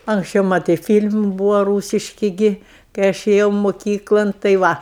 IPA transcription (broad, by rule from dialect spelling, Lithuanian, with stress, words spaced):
ɐŋksʲˈt͡ʃʲɛʊ ˈmɑːtɐɪ ˈfʲiːlʲm ˈbuːʋɐ ˈruːsʲɪʃʲkʲɪ ˈɡʲɪ kɐɪ ˈɐʃ eːˈjɛʊ moːˈkʲiːklˠɐn tɐɪ ˈʋɐ